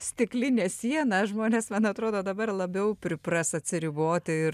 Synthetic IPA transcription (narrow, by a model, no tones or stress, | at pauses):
sʲt̪ʲɪklʲɪnʲeːsʲiɛnɐʒmoːnʲeːsmɐnɐt̪ɾoːd̪oːd̪ɐbɐrlˠɐbʲɛʊpʲɾʲɪprɐsɐt̪ʲsʲɪɾʲiboːt̪ʲɪɪr